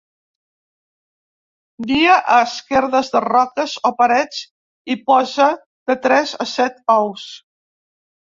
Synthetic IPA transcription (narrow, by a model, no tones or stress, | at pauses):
biəʔəskɛɾðəzðərɔkəzopəɾɛt͡s | ipɔzə | ð̥ət̪ɾɛzə̰sɛt̪ɔws